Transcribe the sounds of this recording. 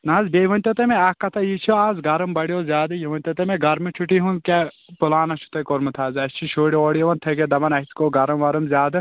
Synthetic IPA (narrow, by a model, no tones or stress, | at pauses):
nɐzbeʋɐnʲt̪ɐt̪ɐmeɐkɐt̪ʰɐjit͡ʃʰoaːzɡɐɾɐmbɐɽjoːzʲjaːd̪ɨjiʋɐnʲt̪ɐt̪ɐmeɡɐɾmit͡ʃʰuʈiɦunkʲe | pulaːnɐt͡ʃʰu̥t̪ɐkoɾmɨt̪ʰaːzɐst͡ʃʰiʃʰoːɽioːɽiɐʋɐnt̪ʰɐked̪ɐbɐnɐiskoɡɐɾɐmʋɐɾɨmzjaːd̪ɨ